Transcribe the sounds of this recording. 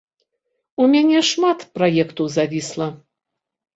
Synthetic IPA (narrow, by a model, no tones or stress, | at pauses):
umʲanʲɛʂmat̪pɾajɛkt̪uwzavʲislˠɐ